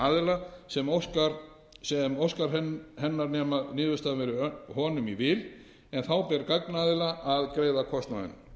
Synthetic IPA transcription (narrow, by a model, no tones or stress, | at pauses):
aːðɪlasɛmowskaɾ | sɛmowskaɾ̥ɛhɛnːaɾnɛːmanɪːvʏst̪avɛɾɪɦɔːnʏmivɪːl | ɛnθawpɛɾkaknaːðɪlaʔaðkɾeːjðakʰɔst̪naðɪ̰n